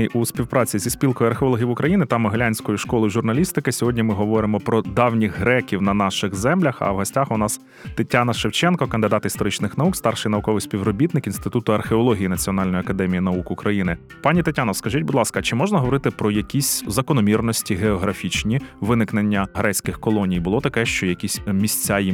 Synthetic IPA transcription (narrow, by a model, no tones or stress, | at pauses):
juspʲiwpɾɑt͡sʲizʲisʲpʲilˠkɔjʊɐrxeɔlˠɔɦʲijiʋʊkɾʔɐjinɪt̪ɑmɪɦlʲanʲsʲkɔjuʃkɔlˠɪʒʊrnɐlʲist̪ɪkɪsʲɔɦɔdʲnʲimɪɦɔʋɔɾɪmɔpɾɔd̪ɑwnʲixɦɾɛkʲiwnɐnɑʃɪɣzɛmlʲɐxɐ̰ʋɦɔsʲtʲaxʊnɑs | t̪ɪtʲːanɐʃeɪwt͡ʃɛnkɔkɐnd̪ɪd̪ɑt̪ist̪ɔɾɪt͡ʃnɪxnɐukst̪ɑrʃɪjnɐukɔʋɪjsʲpʲiwɾɔbʲit̪nɪkinst̪ɪt̪ut̪ʊɐrxeɔlˠɔɦʲijinɐt͡sʲiɔnɑlʲnjiɐkɐd̪ɛmʲijinɐukʊkɾɐjinɪ | pɑnʲit̪ɐtʲanɔskɐʒitʲbʊd̪lˠɑskɐt͡ʃɪmɔʒnɐɦɔʋɔɾɪt̪ɪpɾɔjɐkʲisʲzɐkɔnɔmʲirnɔsʲtʲiɦeɔɦɾɐfʲit͡ʃnʲiʋɪnɪknenʲːɐɦɾɛt͡sʲkɪxkɔlˠɔnʲijbʊlˠɔt̪ɐkɛʃt͡ʃɔjɐkʲisʲmʲisʲt͡sʲaji